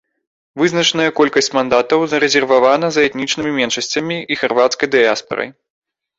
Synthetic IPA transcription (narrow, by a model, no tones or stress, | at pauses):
vɨznɐt͡ʂnɐjɐkɔlʲkɐsʲt͡sʲmand̪at̪ɐwzɐɾɛzʲɛrvavanɐzɐɛt̪nʲit͡ʂnɨmʲimʲɛnʂɐsʲt͡sʲɐmʲiixarvat̪skɐjd̪ɛaspɐ̰ɾɐ̰j